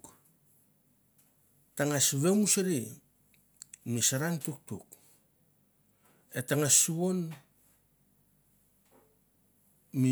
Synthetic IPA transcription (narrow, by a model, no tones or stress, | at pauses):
taŋasβe̞musaɾi | misaɾaŋtuk̚tuk | etaŋasuo̞n | mi